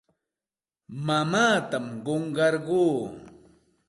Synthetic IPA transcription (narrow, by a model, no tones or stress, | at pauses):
mamaːt̪amɢoɴɢɑɾɢuː